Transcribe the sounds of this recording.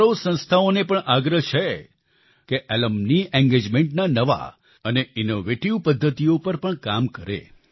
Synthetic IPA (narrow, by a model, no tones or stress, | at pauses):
osə̃ñst̪ʰaonepəɳʔaɡɾəɦt͡ʃʰe | keʔɛləmniɛ̃ŋɡed͡ʒmẽɳʈnanəʋa̰ | əneinoʋeʈiʋpəd̪ʱːət̪iopəɾpəɳkamkəɾḛ